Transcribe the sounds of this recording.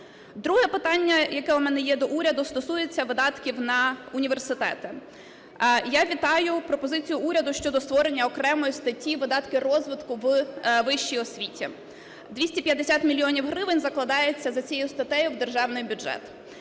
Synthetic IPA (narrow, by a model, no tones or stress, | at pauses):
d̪ɾuɦɛpɪt̪ɑnʲːɐjɐkɛʊmɛnɛjɛd̪ɔʔuɾʲɐd̪ʊst̪ɔsujet͡sʲːɐʋɪd̪ɑt̪kʲiwnɐʊnʲiʋe̞rsɪt̪ɛ̰t̪ɪ | jaʋʲit̪ɑjʊpɾɔpɔzɪt͡sʲijʊuɾʲɐd̪ʊʃt͡ʃɔd̪ɔst̪ʋɔɾenʲːɐɔkɾɛmɔjist̪ɐtʲːiʋɪd̪ɑt̪kɪrɔzʋɪt̪kʊʋʋɪʃt͡ʃijɔsʲʋʲitʲi | d̪ʋʲisʲtʲipʲjɐd̪esʲat̪mʲilʲijɔnʲiwɦɾɪʋɪnʲzɐklˠɐd̪ɑjet͡sʲːɐzɐt͡sʲjɛjʊst̪ɐt̪ɛjʊwd̪erʒɑwnɪjbʲʊdʒɛ̰t̪